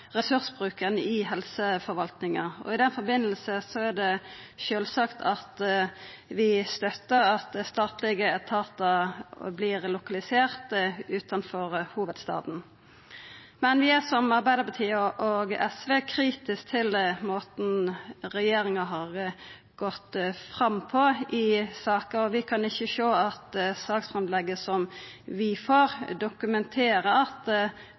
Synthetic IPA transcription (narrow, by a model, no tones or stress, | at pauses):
ʁɛsʉɾsbʁʉːkənəɪɦɛlsəfɔɾʋɑlt̪nɪŋɑɔ̰ɪd̪ɛnfɔɾbɪnːəl̩səsɔæd̪ɛʃøːlsɑkt̪ʰɑt̪ | ʋɪst̪œt̪ːəɾɑt̪̚d̪ɛst̪ɑːt̪lɪɡəɛt̪ʰɑːt̪əblɪːʁlʊkɑlɪseːʁt̪əʉːt̪ʰɑnfɔʁhuːʋəd̪st̪ɑ̰ːd̪n̩ | mɛnʋɪæsɔmɑɾbæɪd̪əɾpɑt̪ʰiːəʔoɡɛsʋeːkʰɾiːt̪ɪsk̚t̪ʰɪlmoːt̪n̩ɾɛjeːɾɪŋɑɦɑːʁ | ɡ̥ɔt̪ːfɾɑmpʰɔɪsɑːkəɾɔʋɪkʰɑnɪçːəʃoːɑt̪sɑːksfɾɛmd̪lɛɡːəsɔm | ʋɪfoːɾd̪ʊkʉmɛnt̪ʰeːɾəɑt̪